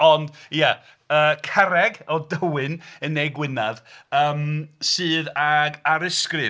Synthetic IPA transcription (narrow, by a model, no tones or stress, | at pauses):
ɔndija | əːkʰɛɾɛɡɔdəwɨnənːejɡwɪnaðəːmsɨːðaɡaɾɪskrɨ